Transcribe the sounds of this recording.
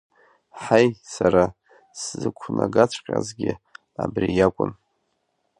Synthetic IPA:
ħajsaɾa | szɨkʷʰnaɡat͡ɕʷʰqʲʼazɡʲɪ | abrijakʷʼʊn

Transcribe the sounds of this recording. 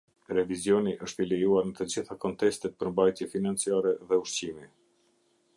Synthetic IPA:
ɾɛvizjɔniʔəʃt̪ilɛjuaɾnət̪əd͡ʑiθakɔnt̪ɛst̪ɛt̪̚pəɾmbajt̪jɛfinant͡siaɾɛðɛuʃt͡ɕimi

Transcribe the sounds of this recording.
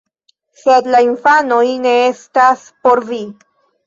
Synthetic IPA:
sed̪lainfanojne̞est̪aspo̞ɾvi

